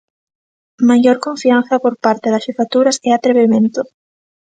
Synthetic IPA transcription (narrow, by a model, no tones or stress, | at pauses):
maʝoɾkoɱfian̟θapoɾpaɾt̪eðasʃefat̪uɾaseat̪ɾeβimẽnt̪o